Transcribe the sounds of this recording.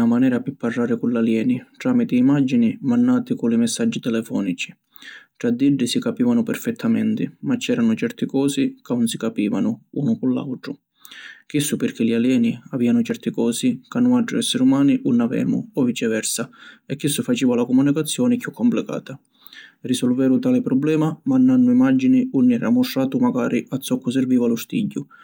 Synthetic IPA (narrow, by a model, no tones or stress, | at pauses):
amanɛːɾapɪpːarːaːɾɪkulaljɛːniʈ̪ɾaːmit̪ɪːmad͡ʒːinimanːaːt̪ɪkulɪmɛsːad͡ʒːit̪ɛlɛfɔ̰ːnit͡ʃi̥ | ʈ̪ɾad̪ːiɖːisikapiːvanʊpɛrfɛt̪ʰːamɛ̰nt̪ɪmat͡ʃːɛːɾanʊt͡ʃɛrt̪ɪkɔːsikaunsikapiːvanʊuːnʊkʊlːa̰wt̪ɾʊ | k̟isːʊpɪrk̟ɪlialjɛːniaviːanʊt͡ʃɛrt̪ɪkɔːsikanːʊaɖɾʊ̰ɛsːɛɾumaːniʔunːavɛ̰ːmʊ̰ɔvit͡ʃɛvɛrsaɛkːisːʊfat͡ʃiːvalakɔmunikat̪sːjɔːnɪkjukʰːɔmplɪka̰ːt̪a | risɔlvɛːɾʊt̪aːlɪpɾɔblɛːmamanːanːʊimad͡ʒːiniunːɛːɾa̰mːʊʂːaːt̪ʊmaɡaːɾʔiʔat̪sːɔkːʊs̬ɛrviːvalʊst̪ḭɟːʊ